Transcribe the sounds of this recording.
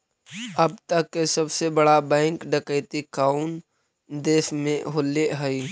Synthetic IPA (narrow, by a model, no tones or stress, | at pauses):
ɐb̚t̪əkːesəbsebəɽabɛ̃ːŋkɖəkəɪt̪ikaːʊn | d̪eːsmẽɦoːleɦəi